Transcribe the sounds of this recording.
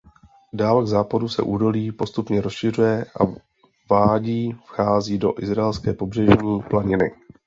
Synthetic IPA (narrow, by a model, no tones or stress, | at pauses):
daːlɡzaːpadusɛ̰ʔuːdo̞liːpo̞st̪upɲɛɾo̞sʃɪrujɛʔa̰ | vaːɟiːfxaːziːdo̞ʔɪzɾaɛlskɛːpo̞br̝ɛʒɲiːplaɲɪnɪ